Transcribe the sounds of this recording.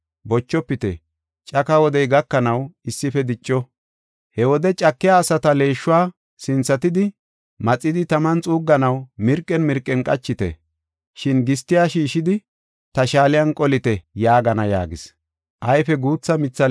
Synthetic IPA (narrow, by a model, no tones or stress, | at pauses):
bɔt͡ʃːɔpːɪt̪ɛ̰ | t͡ʃʼɐkɐwɔd̪ɛjɡɐkːɐnɐwɪsːɪfɛd̪ɪt͡ʃʼːɔ | hɛwɔd̪ɛt͡ʃʼɐkːɪjaːsɐt̪ɐle̞ːʃːʊwaː | sɪnt͡sːɐt̪ɪd̪ɪ | mɐt͡sʼːɪd̪ɪt̪ɐmɐnt͡sʼuːɡːɐnɐwmɪɾkʼːɛnmɪɾkʼːɛnkʼɐt͡ʃːɪt̪ɛ̰ | ʃɪnɡɪst̪ːɪjaːʃiːʃɪd̪ɪ | t̪ɐʃaːlɪjɐnkʼɔlɪt̪ɛjaːɡɐnɐja̰ːɡɪs | ʔɐjfɛɡuːt͡sːɐmɪt͡sːɐ